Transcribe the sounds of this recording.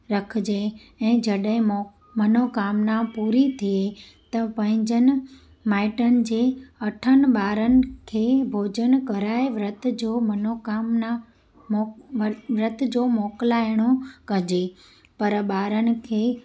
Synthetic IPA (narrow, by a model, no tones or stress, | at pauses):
ɾəkʰd͡ʑe | ɛ̃ːd͡ʑəɗɦɪ̃ | mənokaːmnapuːɾit̪ʰie | t̪ɐpɐ̃ɦɪ̃ɲd͡ʑənɪ̆ | maːɪʈənɪ̆d͡ʑeːɐʈʰənɓaːɾənɪ̆kʰeːbʱoːd͡ʑənkəɾaːeʋɾət̪ʰd͡ʑomənokamna | ʋɾət̪ʰd͡ʑomoːklaːjɽ̃okɐd͡ʑe | pɐɾɓaːɾənɪ̆kʰeː